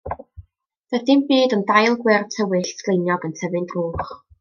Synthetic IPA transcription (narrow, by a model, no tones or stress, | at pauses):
ðɛθɪmbiːdəndajlˠɡwɪrtʰəwɪɬslejnjɔɡəntʰɛvɨndruːχ